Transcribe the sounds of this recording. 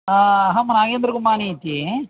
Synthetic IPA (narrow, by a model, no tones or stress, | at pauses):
aɦãmɐnaːɡend̪ɾɐɡumaːnit̪i